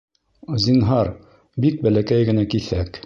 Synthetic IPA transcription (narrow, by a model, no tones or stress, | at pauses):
zinɦɑɾ | bik̚bælækæjɡɘ̆nækiθæk